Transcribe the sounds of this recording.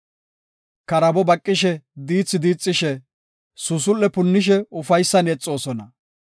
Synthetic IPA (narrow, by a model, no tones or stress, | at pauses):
kɐɾɐbɔbɐkʼːɪʃɛd̪iːt͡sːɪd̪iːt͡sʼːɪʃɛ | sʊs̬ʊlːɛpʊnːɪʃ̬ɛʊfɐjsːɐnɛt͡sʼːo̞ːsɔnɐ